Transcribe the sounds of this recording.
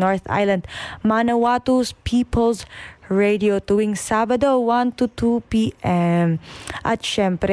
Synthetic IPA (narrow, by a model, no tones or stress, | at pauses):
ɔɹθa̰jlãnd̪manəwat̪uspʰipəlsɹediot̪uwĩŋsabəd̪owãnt̪ut̪upiɛmʔat̪̚ʃɛ̃mpɾ